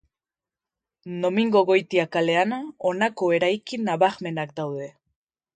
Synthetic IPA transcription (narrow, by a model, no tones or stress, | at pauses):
no̞miŋɡoɣo̞jt̪iakale̞anonako̞e̞ɾajkinaβaɣme̞nak̚d̪awðe̞